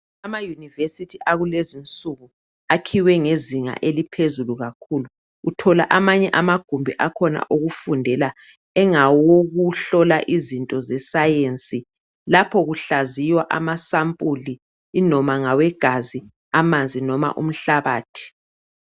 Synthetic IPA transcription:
amajunivesitʰiʔaɣulezint͡sʼuɣu | akʰiwɛŋeziŋa̰ʔelipʰezuluɣakʰuːlu | utʰɔla̰ʔamaɲɛʔamaɡ̥ʱumbʱiʔakʰɔna̰ʔoɣufundʱɛla | ɛŋawoɣuɬɔlaʔizintʼɔzɛsajent͡sʼi | lapʰɔɣuɬazijwaʔamasampʼuliː | nɔmaŋawɛɡ̥ʱazi | amand͡zʱinɔma̰ʔṵm̩ɬaβaːtʰi̥

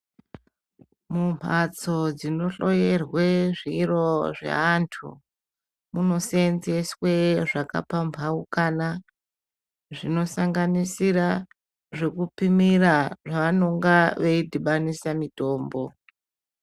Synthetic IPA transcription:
mum̤ʱat͡so̞d͡zino̞ɬo̞jerweʐiro̞ʐḛantʰṵ | muno̞senzesweʐaka̰pambʱaukana | ʐino̞saŋɡanisira | ʐe̞kupimiraʐaʋano̞ŋɡaʋeidʱiɓanisamito̞ːmbo̞

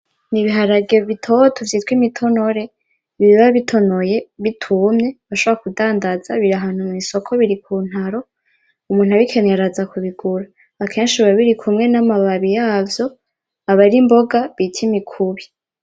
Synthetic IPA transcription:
niβiɦaɾaɡeβitʰo̞tʰovjitwimitʰo̞no̞ɾe̞ | βiβiβaβitʰo̞noje̞βitʰumɲe̞βaʃoβɾakudaːndazaβiɾaɦan̥humŋiso̞kʰo̞βiɾikʰuːn̥haɾo̞ | umuːn̥haβikʰe̞ɲeɾazakuβiɡ̥uɾaː | kʰe̞ːnʃiβaβiɾikʰumŋe̞namaβaβijaːvjo̞ | aβaɾimbo̞ɡaβitʰimikʰuβi

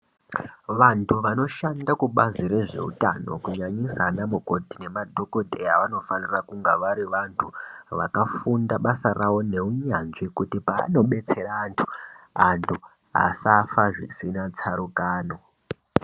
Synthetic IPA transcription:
ʋantʰuʋano̞ʃandakuɓaziɾe̞ʐe̞̰ṵta̰no̞̰kuɲaɲisanamuko̞tine̞madʱo̞ko̞dʱejaʋano̞fanirakuŋɡaʋaɾiʋantʰuʋa̰kafundaɓasarawo̞ne̞uɲanʐikutipa̰ːno̞ɓe̞t͡se̞ɾaːntʰu̥a̰ntʰu | ɦa̰safaʐḭsinat͡saɾukaːno̞

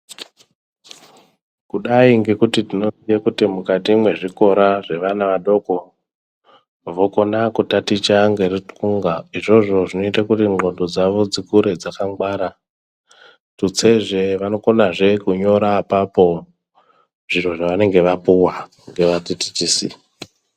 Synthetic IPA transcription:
kuɗaiŋɡe̞kutitino̞sijakutimukatimwe̞ʐiko̞ɾaʐe̞ʋanaʋaɗo̞ko̞ | ʋo̞ko̞nakutatit͡ʃaŋɡe̞ritkuŋɡaiʐo̞ʐo̞ʐino̞itakutiŋ͡ǃo̞ndod͡zaʋo̞d͡zikuɾe̞d͡zakaŋɡwaɾa | tut͡seʐe̞ʋano̞konaʐe̞kuɲo̞ɾaːpapo̞ | ʐiro̞ʐaʋane̞ŋɡe̞ʋapuwa | ŋɡe̞ʋatiti̥t͡ʃiːsḭ

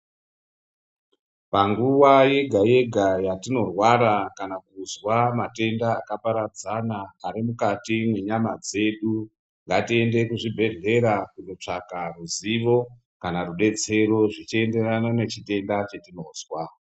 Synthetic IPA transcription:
paŋɡuʋaje̞ɡʱaje̞ɡʱajatino̞rwaɾakanakuzwamate̞ndaːkapaɾad͡zanaːɾimukatimwe̞ɲamad͡ze̞ɗu | ŋɡatie̞nde̞kuʐibʱe̞ɮe̞ɾakuno̞t͡ʂakaruziʋo̞ | kanaruɗe̞t͡se̞ɾo̞ʐit͡ʃie̞nde̞ranane̞t͡ʃite̞ndat͡ʃe̞tino̞ːzwa

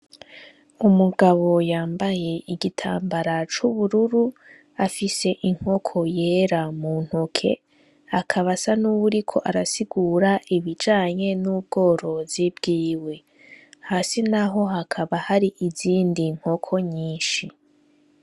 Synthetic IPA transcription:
umuɡaβo̞jaːmbaje̞iɡitʰa̰ːmbaɾat͡ʃuβuɾuɾu | afise̞ʔiŋ̥ho̞kʰo̞je̞ːɾamuːn̥hokʰe̞̰ | akʰaβasanuβuɾikʰo̞ʔaɾasiɡuɾaʔiβid͡ʒaːɲe̞nuːb̚ɡo̞ːɾo̞zibɡiːwe̞ | haːsinaɦo̞ɦakʰaβahaɾiʔiziːndiŋ̥ho̞kʰo̞ɲiːnʃi

